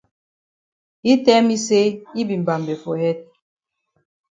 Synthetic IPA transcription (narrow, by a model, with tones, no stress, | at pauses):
i˦tɛ˦mi˦se˦i˦bi˨m˨ba˨mbɛ˨fo˨hɛ˦t̚